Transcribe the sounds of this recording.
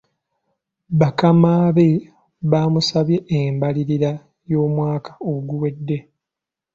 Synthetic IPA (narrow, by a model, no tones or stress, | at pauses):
βakamaːβe̞ | βaːmusaβje̞ʔeːmbaliɾiɾa | jo̞ːmwaːkʰḁoɡuwe̞dːe̞